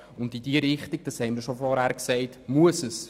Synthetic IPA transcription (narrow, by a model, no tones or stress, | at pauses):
ʊndidiːəɾɪχtiɡ̚d̥ɑshɛɪməɾʃofɔɾhæːɾksɛɪtmuəsəs